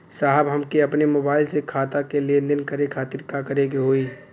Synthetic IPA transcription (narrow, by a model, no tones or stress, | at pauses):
saɦəbɦəmkeəpnemobaːɪlsekʰaːt̪akelend̪ənkəɾekʰaːt̪iɾkakəɾekeɦoi